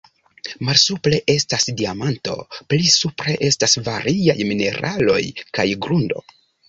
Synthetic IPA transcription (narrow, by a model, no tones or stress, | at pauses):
malsuple̞ʔe̞stasdiamanto̞̰plisupɾe̞ʔe̞stasvaɾiajmine̞ɾʔalo̞̰jkajɡɾundo̞̰